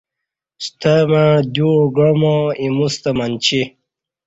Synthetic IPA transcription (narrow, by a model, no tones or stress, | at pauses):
st̪ʰamad̪uɡomoimust̪amant͡ɕi